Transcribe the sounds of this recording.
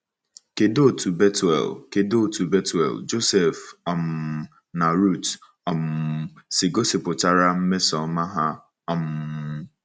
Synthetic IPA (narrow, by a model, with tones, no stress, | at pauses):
ke˨do˦˨tu˨bɛ˦tɛ̰˨lke˨do˦˨tu˨be˦tɛ̰˨ld͡ʒo˦sɛ˨fɔ˨m˨ | na˨ɾu˦˨t | ɔ˨m̩˨sɪ˨ɡo˦sɪ˨pʊ˨t͡ʃa˦ɾa˦m̩˦me˦sɔ˨˦ma˦ɦa˦˨ | m